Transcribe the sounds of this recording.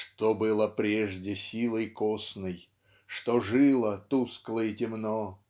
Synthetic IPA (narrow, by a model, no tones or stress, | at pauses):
ʂt̪obɨlˠəpɾʲeʐdʲɪsʲilˠəjkosnɨj | ʂt̪oʐɨlˠət̪usklˠəjɪtʲɪmno